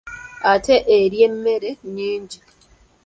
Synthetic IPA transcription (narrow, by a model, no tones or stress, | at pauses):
ateʔeɾjemːeɾeɲeːɲɟi